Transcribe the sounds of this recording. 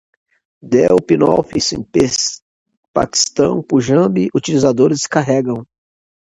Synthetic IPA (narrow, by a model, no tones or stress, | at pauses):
d̪ɛwpinɔ̰fisḛ̃pes | pa̰ki̥st̪ɐ̃w̃puʒɐ̃biʔut͡ʃilizad̪oɾɪskaɦɛɡɐ̃w̃